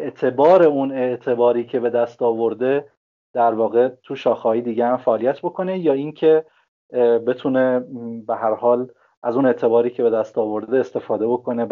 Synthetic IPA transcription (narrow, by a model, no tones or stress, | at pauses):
eʔt̪ʰe̞bɒːɾe̞une̞ʔt̪ʰe̞bɒːɾiːcʰe̞be̞d̪æst̪ɒːvo̞ɾd̪e | d̪̥æɾvɒːɣe̞t̪ʰuʃɒːxɒːid̪iːɟeæmfæʔːlijæt̪ʰbo̞kʰo̞ne̞jɒːincʰe̞ | be̞t̪ʰune̞beɦæɾhɒːl | ʔæzune̞ʔt̪ʰe̞bɒːɾiːcʰe̞be̞d̪æst̪ɒːvo̞ɾd̪d̪eːst̪e̞fɒːd̪e̞bo̞kʰo̞ne